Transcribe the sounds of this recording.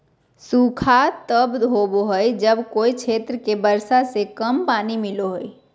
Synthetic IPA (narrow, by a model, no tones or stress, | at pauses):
sukʰat̪əbd̪ɦoboɦəjd͡ʒəbkoit͡ʃʰet̪ɾəkebəɾsasekəmpanimiloɦəj